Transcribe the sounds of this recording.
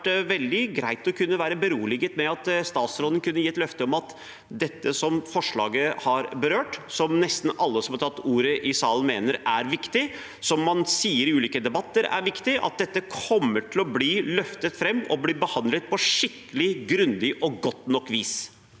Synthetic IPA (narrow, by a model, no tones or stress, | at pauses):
ʋɛld̪ɪɡɾæɪt̪ɔkʰʉnːəʋæːɾəbəɾuːlɪɡət̪mɛɑt̪st̪ɑːt̪sɾɔlənkʰʉnːəjiːɛt̪lœft̪əɔmɑt̪ | d̪ɛt̪ːəsɔmfɔʂɭɑ̰ːɡəhɑɾbəɾøːʈsɔmnɛst̪n̩ɑlːəsɔmhɑʈʰɑt̪ːuːɾəʔɪsɑːlən̩meːnəɾæɾʋɪkt̪ɪ | sɔmːɑnsiːəɾɪʉːliːkəd̪ɛbɑt̪ːəɾæ̰ɾʋɪkt̪ɪʔɑ̰t̪̚d̪ɛt̪ːəkʰɔmːəʈʰɪlɔbliːlœft̪ət̪fɾɛmːɔ̰blɪbəhɑnd̪lət̪̚pʰɔʂɪkːəlɪɡɾʉnd̪ɪʔɔɡɔt̪ːnɔkːʋiːs